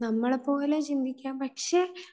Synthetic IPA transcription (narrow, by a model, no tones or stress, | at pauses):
nɐmːɐɭepo̞ːlet͡ɕind̪ʱikʲːaːmpɐkʂe